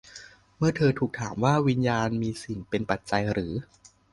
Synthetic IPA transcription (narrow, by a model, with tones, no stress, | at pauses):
mɯ˥˩ɐt̪ʰɤː˧t̪ʰuː˨˩k̚t̪ʰaː˩˦mwaː˥˩wi˧njaː˧nmiː˧si˨˩ŋpe˧npa˨˩t̪̚t͡ɕa˧jɾɯː˩˦